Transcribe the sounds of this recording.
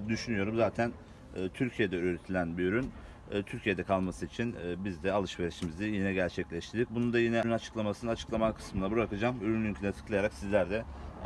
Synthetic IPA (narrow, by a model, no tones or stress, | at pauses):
d̪yʃynyjo̞ɾumzaːt̪ʰænː | t̪ʰyɾcʰije̞d̪ɛyːɾet̪ʰilʲænbiyɾynː | t̪ʰyɾcʰijed̪ɛkʰalˠmasɯit͡ʃʰinːbizd̪ɛalˠɯʃveɾiʃimizd̪ijinɛɟæɾt͡ʃʰɛclʲɛʃt̪ʰiɾd̪ikc̚bunund̪ajinɛnnat͡ʃʰɯ̥klˠamasɯnat͡ʃʰɯ̥klˠamakʰɯ̥smɯnabɯɾakɯd͡ʒaːmyɾynlʲyncʰʲlʲɛt̪ʰɯ̥klˠajaɾaksizlʲæɾd̪ɛ